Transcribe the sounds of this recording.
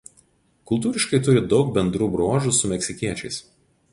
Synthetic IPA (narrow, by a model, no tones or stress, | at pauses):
kʊlˠt̪uːɾʲɪʃkɐɪt̪ʊɾʲɪd̪ɒʊk̚bʲɛnd̪ɾuːbɾoːʒusʊmʲɛkʲsʲɪkʲiɛt͡ʃʲɛɪs